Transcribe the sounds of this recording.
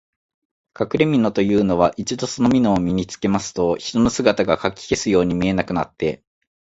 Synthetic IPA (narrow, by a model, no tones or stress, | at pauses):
kakɯ̟ɾe̞mʲino̞t̪o̞jɯ̟ːno̞β̞aʔit͡ɕid̪o̞so̞no̞mʲino̞ːmʲiɲ̟it͡sɨ̥ke̞masɨ̥t̪o̞çi̥t̪o̞no̞sɨɡat̪aɡakakʲːi̥ke̞sɨjo̞ːɲ̟imʲie̞nakɯ̟na̰t̪ːe̞